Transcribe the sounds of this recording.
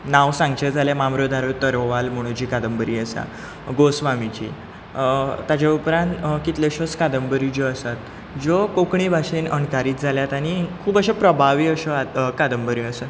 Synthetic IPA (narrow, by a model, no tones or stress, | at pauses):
nawsãŋɡt͡ɕəd͡zʱaljamamɾod̪ʱaɾət̪əɾoʋalm̤oɽ̃ũd͡ʑiːkad̪əmbəɾiːəsa̰ | ɡosʋamit͡ɕḭː | t̪ːat͡ɕaupɾãnt̪kit̪leɕəskad̪əmbəɾid͡ʑɔəsat̪ | d͡zɔkokɳibʱaɕenənkaɾiːt̪̚d͡zʱaljat̪aɽ̃ikʰuːbəɕapɾəbʱaʋiːəɕəakad̪əmbəɾiəsə